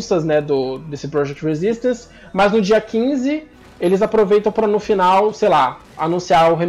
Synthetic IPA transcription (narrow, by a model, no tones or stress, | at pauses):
sɐznɛd̪ʊd̪esɪpɾɔʒɛk̚t͡ʃ̪hezist̪ɐ̃sɪ̥ | mɐznʊd͡ʒiɐkĩzɪ | elɪzapɾovejt̪ɐ̃w̃pɾɐnʊfinawsejla | anũsiaʊɦem